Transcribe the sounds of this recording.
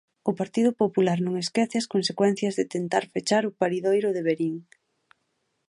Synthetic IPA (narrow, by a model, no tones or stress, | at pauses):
ʊpaɾt̪iðʊpopulaɾnõŋeskɛθɪɐskonsekwɛn̟θjɐzðɪt̪ent̪aɾfet͡ʃaɾʊpaɾiðojɾʊðeβeɾiŋ